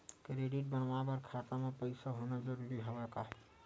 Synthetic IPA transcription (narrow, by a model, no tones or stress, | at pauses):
kɾeɖiʈ̚bənʋabəɾkʰat̪amepəɪsaɦonad͡ʒəɾuɾiɦobɛkaɦi